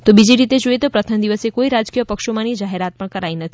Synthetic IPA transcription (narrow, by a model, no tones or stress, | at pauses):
t̪obid͡ʒiɾit̪ed͡ʒoit̪opɾət̪ʰəmd̪iʋəsekoiɾad͡ʒkijəpəkʃomãnid͡ʒaɦeɾat̪̚pəɳkəɾainət̪ʰi